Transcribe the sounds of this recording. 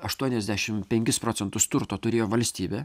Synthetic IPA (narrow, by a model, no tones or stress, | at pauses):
ɐʃt̪uɔnʲɛzʲd̪ʲæʃʲɪmpʲɛŋʲkʲɪspɾoːt̪sʲɛnt̪ʊst̪ʊɾt̪oːt̪ʊɾʲeːjoːʋɐlʲsʲt̪ʲiːbʲeː